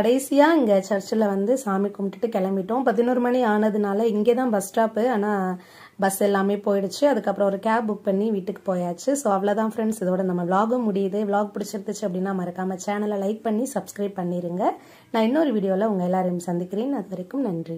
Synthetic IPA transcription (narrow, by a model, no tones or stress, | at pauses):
kɐɽɐɪsɪjaːɪŋɡɐt͡ʃɐɾt͡ʃːɪlɐʋɐnd̪ɯsaːmikʊmʈːɪʈːɯkɛɭɐmbɪʈːõpɐðɪnuːɾɯmɐniaːnɐðɯnaːlɐɪŋɡeːt̪ãːbɐsʈaːpɯaːnaː | bɐsɛlːaːmeːpoːjɪɽɯt͡ʃːɯɐðɯkːɐpːɯɾɔ̃ɔɾɯkaːb̚bʊk̚pɐɳːiʋiːʈːɯkːɯ̥poːjaːt͡ʃːɯsoːɐʋɐlɐt̪ãːfɾɛɳɖsɪðoːɽɐnɐmːɐʋɭaːɣɯmʊɽɪjɐðɯʋɭaːɡ̚pɪɽɪt͡ʃːɪɾɯt̪ːɯt͡ʃːɯɐpːɐɽɪnːaːɐmaːɪɾɯkːaːmɐt͡ʃaːnɐlɐlɐɪk̚pɐɳːisɐbskɾɐɪb̚pɐɳːiɾɯŋɡɐ | nãːɪnːoɾɯʋiːɽɪjoːlɐʊŋɡɐɛlːaːɾɐjɯmsɐnd̪ɪkːɪɾeːnːɐðɯʋɐɾɐkːɯmnɐndri